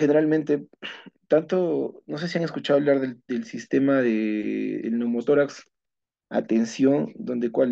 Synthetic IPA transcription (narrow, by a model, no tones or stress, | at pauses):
xene̞ɾalmẽnt̪e̞t̪ant̪ono̞s̬e̞s̬iaŋeskut͡ʃaðβlaɾðeðelsist̪e̞maðeðḛlnomot̪o̞ɾaks | a̰t̪e̞nsjo̞nd̪o̞nd̪e̞kwal